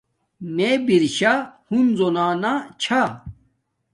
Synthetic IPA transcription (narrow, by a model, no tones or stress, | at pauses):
mebiɾɕahunzonaːnat͡ɕʰa